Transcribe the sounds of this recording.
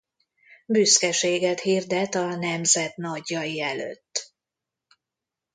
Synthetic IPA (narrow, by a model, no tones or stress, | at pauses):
byskɛʃeːɡɛt̪hird̪ɛt̪ɒnɛmzɛt̪nɒɟːɒjiɛlø̰t̪ː